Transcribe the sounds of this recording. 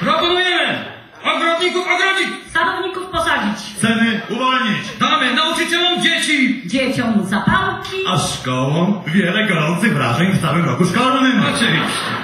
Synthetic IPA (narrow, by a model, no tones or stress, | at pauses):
pɾɔpɔnujɛmɪ | ɔɡɾɔd̪ɲikufɔɡɾɔɲiksanɔvɲikufpɔsad͡ʑit͡ɕsɛnɨulaɲit͡ɕd̪amɪnaut͡ʃɨt͡ɕɛlɔ̃w̃d͡ʑet͡ɕid͡ʑet͡ɕɔ̃w̃zapalkʲiaʃkɔwɔ̃w̃vʲjɛlɛɡɔɾɔ̃nt̪sɨivɾa̰ʒɛ̃ɲist̪avɛ̃w̃lɔkuʃkɔlanɐnɪnɔt͡ʃe